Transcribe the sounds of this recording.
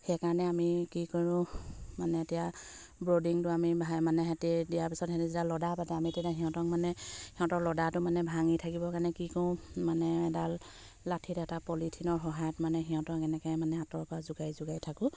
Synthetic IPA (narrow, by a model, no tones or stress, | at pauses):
xɛjkaɹɔnɛamikikoɹʊ̃manɛetijabɹodiŋtʊamibʱamanɛɦɛtidijaɹpisɔthɛtizitalɔdapatɛamitɛtaɦiɦɔ̃tɔŋmanɛhiɔ̃tɔlɔdatʊmanɛbʱaŋitʰakibɔkaɹnɛkikoʊ̃manɛɛdal | latʰitɛtapɔlitʰinɔɹɦɔɦajɔtmanɛɦiɔ̃tɔŋkɛnɛkɔjmanɛatɔɹpɔɹazʊɡajzʊɡajtʰakʊ̃